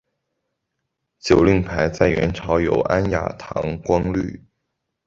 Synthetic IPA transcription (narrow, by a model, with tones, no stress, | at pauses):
t͡ɕjo˨˩ʊli˥˩ŋpʰa˧˥ɪt͡sa˥˩ɪɥɛ̰˧˥nʈ͡ʂʰɑ˧˥ʊjo˨˩ʊʔa˥nja̰˨˥t̪ʰɑ̰˧˥ŋkwɑ˥ŋly̰˥˩